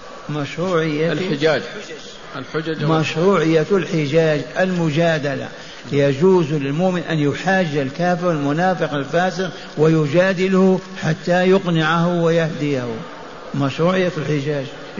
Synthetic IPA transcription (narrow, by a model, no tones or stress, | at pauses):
maʃɾˤuːʕɪjːalɪd͡ʒaːd͡ʒ | lħd͡ʒmaʃɾˤuːʕɪjːalħɪd͡ʒaːd͡ʒʔalmʊd͡ʒaːd̪ala̰ | jad͡ʒuːzlɪlmʊʔmɪnʔa̰njʊħaːd͡ʒːalkaːfɪɾɪlmʊnaːfɪqalfaːsɪq | wɪjʊd͡ʒaːd̪ɪlhu | ħat̪ːajʊqnɪʕahʊwɪjaħd̪ɪjahʊ | maʃɾˤuːʕɪjːalħɪd͡ʒaːd͡ʒ